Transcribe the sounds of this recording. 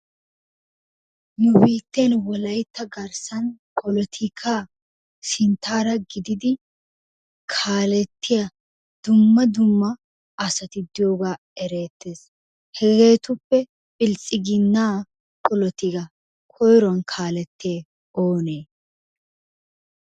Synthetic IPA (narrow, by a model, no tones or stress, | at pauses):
nʊbiːt̪ːenwɔlɐjt̪ːɐɡɐɾsɐnkʼɔlɔt̪ʰɪkʰaː | sɪnt̪ːaːɾɐɡɪd̪ɪd̪ɪ | kʰaːlɛt̪ːɪjɐ | d̪̥ʊmːɐd̪ʊmːɐ | ʔɐsɐt̪ɪd̪ɪjoːɡaː | ɛɾe̞ːt̪ːe̞ːs | hɛɡe̞ːt̪ʊpːɛ | pʼɪlt͡sʼːɪɡɪnːaː | kʼɔlɔt̪ɪɡɐ | kʰɔjɾɔnkʰaːlɛt̪ːeː | oːneː